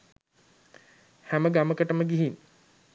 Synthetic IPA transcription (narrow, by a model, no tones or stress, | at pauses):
hæməɡaməkəʈəməɡiɦin